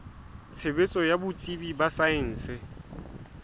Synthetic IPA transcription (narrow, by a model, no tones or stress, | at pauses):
t͡sʰebet͡sʼɔjabʊt͡sʼibibasaɪn̩ːsɪ